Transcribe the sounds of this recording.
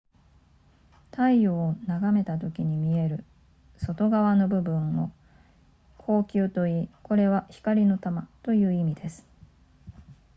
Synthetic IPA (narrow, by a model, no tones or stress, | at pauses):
t̪aijoːnaɡame̞t̪at̪o̞kʲiɲ̟imʲie̞ɾɯ̟ | so̞t̪o̞ɡaβano̞bɯ̟bɯ̟̃ɰ̃o̞̰ | kʰo̞ːkʲɨːt̪o̞iːko̞ɾe̞βaçi̥kaɾʲino̞t̪amat̪o̞jɯ̟ːimʲid̪e̞sɨ̥